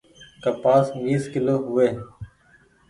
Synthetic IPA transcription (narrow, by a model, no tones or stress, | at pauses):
kəpaːsʋiːskɪloːɦʊeː